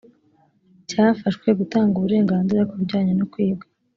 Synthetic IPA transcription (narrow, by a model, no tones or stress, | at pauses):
caːfaʃkwe̞ɡutaːŋɡuβuɾe̞ːŋɡaːnziɾakuɾɟaːɲenukwiːb̚ɡe